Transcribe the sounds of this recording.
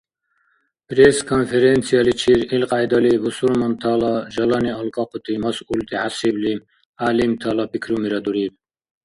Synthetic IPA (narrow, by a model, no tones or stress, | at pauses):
pɾeskʰɔnfeɾent͡sʰijalit͡ʃʰiɾilqʼajd̪ɐlivusuɾmɐnt̪ʰalaʒɐlaniɔlkʼɑqʰut̪ʰimɐsult̪ʰiʕasibli | aːlimt̪ʰalapʰikʰɾumiɾɐd̪uɾib̚